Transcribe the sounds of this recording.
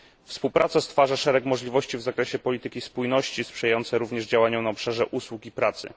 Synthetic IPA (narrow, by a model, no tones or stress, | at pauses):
fspuwpɾʔat̪sast̪faʐaʂɛɾɛkmɔʐlʲivɔɕt͡ɕivzakɾɛɕɛpɔlʲit̪ɘkʲispujnɔɕt͡ɕispʂɛjajɔnt̪sɛɾuvɲɛʐd͡ʑawaɲɔnaɔpʂaʐɛʔuswukipɾat̪sɘ̰